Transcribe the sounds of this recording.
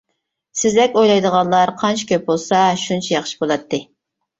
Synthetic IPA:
sɪzd̪ɛkʲojlˠɑjd̪əʁɑnlˠɑɾqʰɑnt͡ʃʰi̥kʲʰøp̚bolˠsɑʃunt͡ʃʰɛjɑχʃi̥bolˠɑt̪ːɨ

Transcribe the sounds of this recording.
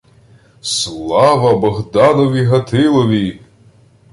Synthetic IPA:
slˠɑvɐbɔɣd̪anɔvʲiɦɐt̪ʰɪlˠovʲi

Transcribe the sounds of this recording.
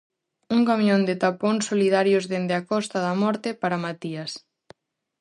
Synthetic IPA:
uŋkamjõnd̪ɪt̪apoŋsoliðaɾjʊzðend̪eakɔst̪aðamɔɾt̪epaɾamat̪ias

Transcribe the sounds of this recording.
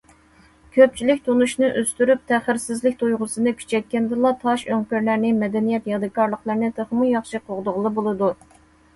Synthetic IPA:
kʲʰøp̚t͡ʃʰilɪkʲt̪ʰonuʃnɨʔøst̪yɾyp̚t̪ʰæχɪɾsɪzlɪkʲt̪ʰojʁʊsɨnɨkʲʰy̥t͡ʃʰɛt̪̚kʲɛnd̪ɨlˠɑt̪ʰɑʃøŋkʲøɾlæɾnɪmɛd̪ɛnijɛt̪jɑd̪ɨkʰɑɾlˠəqlˠəɾnɨt̪ʰeχmujɑχʃɨqʰoʁd̪ʊʁlˠɨbolˠɨd̪u

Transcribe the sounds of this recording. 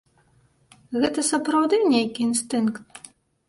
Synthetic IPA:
ɣɛt̪ɐsɐpɾɐwd̪ɨnʲejkʲiinst̪ɨnkt̪̚

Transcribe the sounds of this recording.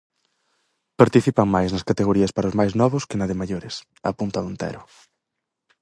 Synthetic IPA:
paɾt̪iθipaŋmajznɐskat̪eɣ̞oɾiɐspaɾaoʊzmajznɔβʊskɪnaðɪmaʎoɾɪs | a̰punt̪aðont̪ɛ̰ɾʊ

